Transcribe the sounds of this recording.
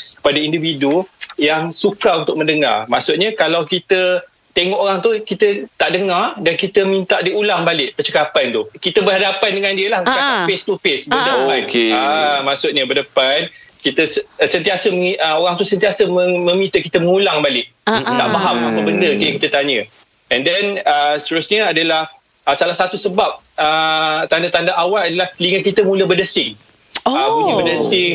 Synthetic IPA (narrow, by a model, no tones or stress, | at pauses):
kə̥padaindividujaŋsukaunt̪ʊk̚mə̃ndəŋa̰rmaʔsʊt̪̚ɲakalawkit̪ə | t̪eŋɔʔoɾaŋt̪ukit̪ət̪aʔdəŋardankit̪əmint̪aʔdiulaŋbalɪʔpət͡ʃəkapant̪ʊhkit̪əbərɦadapandəŋandiəlahkafest̪ufesbədəanamaʔsʊt̪̚ɲabərdəpankit̪əssənt̪iasəməiʔəoɣaŋt̪usənt̪iasəməmə̃mĩt̪əkit̪əməŋulaŋbalɪk̚t̪aʔmaɦamapəbəndəkajakit̪ət̪aɲə | ɛndɛnəst̪əɾusɲəadalah | ʔəsalahsat̪usəbap̚ | ət̪andat̪andaʔawaladalaht̪əliŋəkit̪əmuləbərdəsɪŋ | amubədəsɪŋ